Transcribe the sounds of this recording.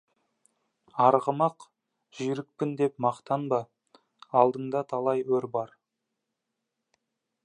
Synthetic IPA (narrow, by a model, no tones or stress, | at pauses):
ɑɾʁəmɑq | ʒ̥ijɾɪk̚pɪnd̪e̞pmɑqt̪ɑnbɑ | ɑlˠd̪əɴd̪ɑt̪ʰɑlˠɑjwɵɾbɑɾ